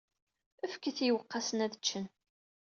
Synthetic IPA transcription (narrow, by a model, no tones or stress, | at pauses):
əfkːəθijəwəqːɑsənæðət͡ʃːən